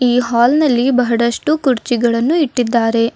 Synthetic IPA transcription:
iːɦaːlnɐlːibɐɦɐɽɐʂʈukuɾt͡ʃiɡɐɭɐnːuiʈːid̪ːaːɾe̞

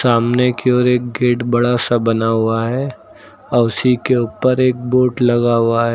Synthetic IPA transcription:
saːmnekeoːɾeːk̚ɡeːʈbɐɽasabɐnaɦʊaɦɛː | ɔsikeʊːpəɾeːk̚boːʈlɐɡaɦʊaɦɛː

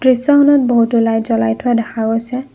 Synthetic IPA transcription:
d̥ɹisɔhɔnɔt̚boɦutulajzɔlajtʰʊadɛxʰaojsɛ

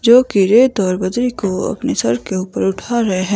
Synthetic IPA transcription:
d͡ʒoːkiɾeːt̪ɔːɾbɐd̪ɾikoɐ̰pnesɐɾkeuːpəɾʊʈʰaɾɐɦeɦɛ̃ː

